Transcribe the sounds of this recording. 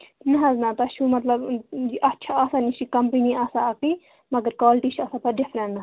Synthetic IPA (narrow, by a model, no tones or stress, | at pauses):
nɐɦɐznɐt̪ɐʃʰumɐt̪lɐbd͡ʒiʔɐtːʃʰaasanit͡ʃʰikɐmpiniaːsaɐqi | mɐɡəɾkaːlʈit͡ʃʰɐsapɐɖɪfʰɾɐ̃nnɐ